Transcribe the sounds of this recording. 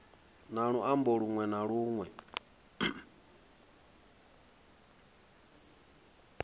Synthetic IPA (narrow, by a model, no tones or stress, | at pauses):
naɺuʔambɔɺuŋwɛnaɺuːŋwɛ